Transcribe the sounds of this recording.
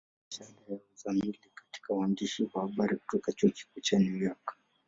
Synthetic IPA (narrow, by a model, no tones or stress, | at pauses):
ʃadajaazamilikḁti̥kawandiʃiwahaɓaɾiku̥tɔkat͡ʃuki̥kut͡ʃaniwjakḁ